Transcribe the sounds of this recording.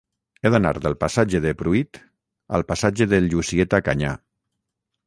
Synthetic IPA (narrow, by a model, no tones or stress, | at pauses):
eðana̰ɾðəlˠpasad͡ʒeðepɾuit̪ | a̰lˠpasad͡ʒeðelʎusiet̪akaɲa̰